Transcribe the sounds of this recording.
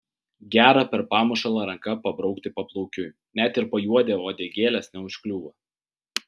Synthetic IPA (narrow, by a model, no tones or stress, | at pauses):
ɡʲæːɾɐpʲɛɾpɑːmʊʃɐlˠɐɾɐŋkɐpɐbɾɒʊkt̪ʲɪpɐplˠɔʊkʲʊ | nʲæt̪ɪɾpɐjuɔd̪ʲɛʋoːd̪ʲeːɡʲeːlʲɛsnʲɛʊʃʲkʲlʲuːʋɐ